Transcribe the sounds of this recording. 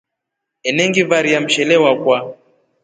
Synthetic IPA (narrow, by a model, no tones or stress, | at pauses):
ɛnɛŋɡivaɾijam̩ʃɛlɛwakwa